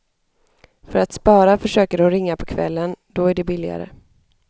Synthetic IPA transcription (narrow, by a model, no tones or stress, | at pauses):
fœɾat̪spɑːɾafœʂøːkəɾhʊnɾɪŋːapʰɔkʰvɛ̰lːənd̪ɔæɖɛbɪlːɪɡa̰ɾə̰